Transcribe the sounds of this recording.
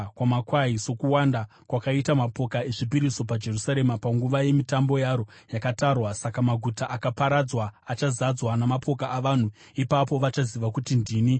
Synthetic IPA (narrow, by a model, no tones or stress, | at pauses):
kwamakwaiso̞kuwanda | kwakaitamapo̞kae̞ʐip̬iɾiso̞pad͡ʒe̞rusaɾe̞mapaŋɡuʋaje̞mitambo̞jaːɾo̞ | jakatarwasakamaɡʱutaʔakapaɾad͡zwaːt͡ʃazad͡zwanamapʰo̞kaːʋaːn̤u | ipapo̞ʋat͡ʃaziʋakutindiːni